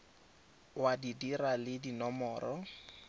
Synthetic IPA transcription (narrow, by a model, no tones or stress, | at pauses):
wadidiralɪdinɔmɔːɾɔ